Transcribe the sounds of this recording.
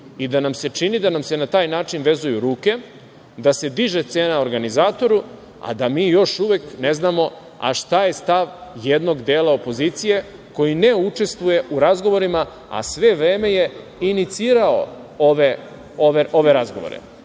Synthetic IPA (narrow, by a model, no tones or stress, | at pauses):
id̪anamse̞t͡ʃinid̪anamse̞nat̪aːjnaːt͡ʃinʋe̞zujuɾuːke̞ | d̪ase̞d̪iʒet̪seːnaoɾɡanizaːt̪o̞ɾu | a̰d̪amiːjo̞ʃuʋe̞kne̞znamo̞ | a̰ʃt̪aje̞st̪aʋjed̪no̞ɡd̪eːlˠao̞po̞ziːt̪sije̞ | ko̞jine̞ut͡ʂe̞st̪ʋuje̞ʔuɾazɡo̞ʋo̞ɾima | a̰sʋe̞ʋɾe̞ːme̞je̞ | init̪siːɾao̞̰ | oʋe | oʋeʔo̞ʋe̞ɾazɡo̞ʋo̰ɾḛ